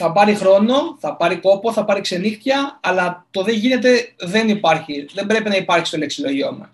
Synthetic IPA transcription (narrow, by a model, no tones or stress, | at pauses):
θɐpɐɾixɾo̞no̞θɐpɐɾiko̞po̞θɐpɐɾikse̞nixt̪jɐːlɐt̪o̞ðe̞ʝine̞t̪̬e̞ðe̞nipɐɾçiðe̞mbɾe̞pinɐipɐɾçist̪o̞leksilo̞ʝio̞̰mɐ̰